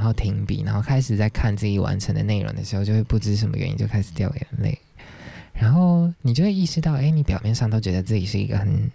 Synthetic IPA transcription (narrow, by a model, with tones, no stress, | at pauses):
xo˥˩ʊt̪ʰi˧˥ŋpḭ˨˩na˧˦nxo˥˩ʊkʰa˥ɪʂɻ̩˨˩t͡sa˥˧ɪkʰa˥˧nt͡sɹ̩˥˧˩i˨˩wʔa̰˧˥nʈ͡ʂʰə˧˦˥ŋd̪ə̰˨ne˥˩ɪɻʔo̰˧˥ŋd̪ə˧ʂɻ̩˧˥xo˥˧t͡ɕo˥˧ʊwe˥˧pu˥˩ʈ͡ʂɻ̩˥ʂ̬ə˧˥nmə̰˧ɥɛ̰˧˦nḭ˧˩t͡ɕjo˥˧ʊkʰa˥ɪʂ̩˨˩t̪jɑ˥˩ʊjɛ̰˧˦˥nlḛ˥˩ɪ | ɻa˧˥nxo˥˩ʊni˨˩t͡ɕjo˥˧ʊwe˥˧i˥˩ʂɻ̩˥t̪ɑ˥˩ʊʔe˥ɪni˧˥pjɑ˨˩ʊmjɛ˥˧nʂɑ˥˧ŋt̪ʰo˥˧ʊt͡ɕɥɛ˧˥d̪ə˧t͡sɹ̩˥˩t͡ɕi˨˩ʂɻ̩˥˩ḭ˧˥ɡə̰˧xə˨˩n